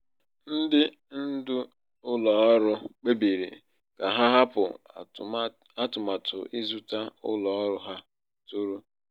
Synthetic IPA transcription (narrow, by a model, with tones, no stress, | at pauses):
n̩˦dɪ˦ | n̩˦dʊ˦ | ʊ˦lɔ˨˦ɾʊ˦k͡pe˦bi˨ɾḭ˨ | ka˨ɦa˦ɦa˦pʊ̰˨ | a˦tʊ˨ma˨tʰʊ˨ʔɪ˦zu˦ta˦ʊ̰˦lɔ˨ɔ˦ɾʊ˦ɦa˦ | tu˦ɾu˦